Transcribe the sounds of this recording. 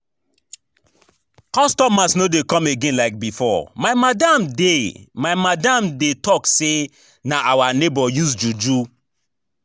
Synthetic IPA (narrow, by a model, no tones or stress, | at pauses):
kɔ̃stɔmasnodekɔ̃meɡẽnlaɪk̚bifɔmamadamdemaɪmadãmdetɔkse | naʔawanebɔjusd͡ʒud͡ʒu